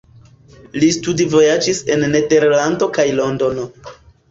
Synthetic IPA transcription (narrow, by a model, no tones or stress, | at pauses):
listudivo̞jad͡ʒise̞nːe̞de̞ɾlando̞kajlo̞ndo̞no